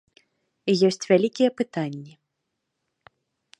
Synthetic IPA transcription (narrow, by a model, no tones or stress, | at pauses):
ijɔsʲt͡sʲvʲalʲikʲijɛpɨt̪anʲːi